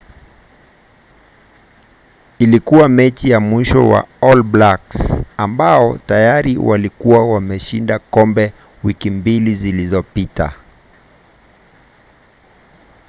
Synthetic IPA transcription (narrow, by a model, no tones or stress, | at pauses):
ilikuwamɛt͡ʃijamwiʃɔ̰wa̰ɔlblaksambaɔtajaɾiwalikuwawamɛʃindakɔmbɛ | wikimbilizilizɔpita̰